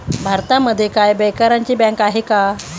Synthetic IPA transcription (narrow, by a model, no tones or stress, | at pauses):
bʱaɾt̪aməd̪ʱːjekajbɛkaɾaɲt͡ɕiːbɛ̃ŋkaɦika